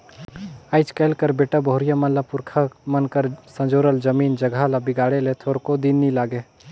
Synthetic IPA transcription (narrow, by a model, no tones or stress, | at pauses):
əɪt͡ʃkɛːlkəɾbeːʈəboɦʊɾijamənlapʊɾkʰamənkəɾsə̃nd͡ʒoːɾəld͡ʒəmiːnd͡ʒəɡʱalabɪɡaːɽelet̪ʰoːɾkod̪inːilaːɡe